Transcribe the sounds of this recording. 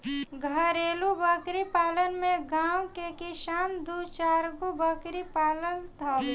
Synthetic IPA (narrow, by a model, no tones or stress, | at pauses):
ɡʱəɾeːlubəkɾipaːlənmẽɡãːwkekɪsaːnd̪ut͡ʃaːɾɡubəkɾipaːləlt̪ʰa